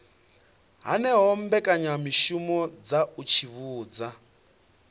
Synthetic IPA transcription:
ɦa̰nɛɦɔmbɛkʼaɲamiʃumɔd͡zaut͡ʃʰiβuːd͡za

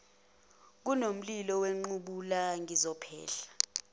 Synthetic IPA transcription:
k̬unom̩lilɔweŋ͡ǃuɓulaŋizɔpʰɛ̰ːɬḁ

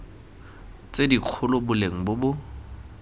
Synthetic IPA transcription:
t͡sediq͡χʰʊlʊbʊleŋ̩bʊbʊ

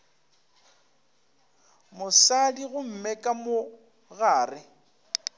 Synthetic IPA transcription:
mʊsadiɣʊm̩mɛkʼamʊ | ɣaːrɪ

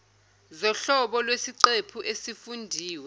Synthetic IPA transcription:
zɔɬɔɓɔlwesiǀepʰuʔesifundʱiːwɛ

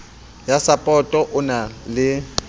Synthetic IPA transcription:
jasapʼɔtʼɔʔʊnalɪ

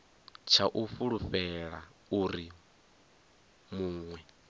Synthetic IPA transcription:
t͡ʃʰaʔufuɺuɸɛɺauɾi | muːŋwɛ

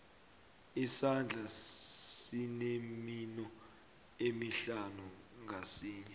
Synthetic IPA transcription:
isand͡ɮʱasineminɔ | emiɬanuŋʱasiːɲɛ

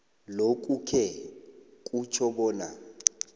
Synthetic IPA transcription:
lokʼukʰɛ | kʼut͡ʃʰɔɓɔːna

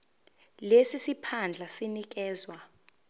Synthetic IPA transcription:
lesisipʰand͡ɮʱasinik̬ɛːzwa

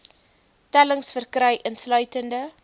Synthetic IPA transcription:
tæləŋsfərkrɛjʔənslœɥtəndə

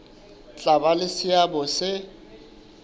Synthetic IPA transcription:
t͡ɬʼabalɪsɪabɔsɪ

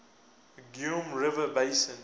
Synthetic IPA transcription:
ɡjũmɹɪvəbeɪsə̃n

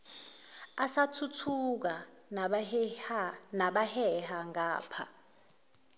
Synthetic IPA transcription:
asatʰutʰuk̬a | naɓahɛhaŋaːpʰa̰

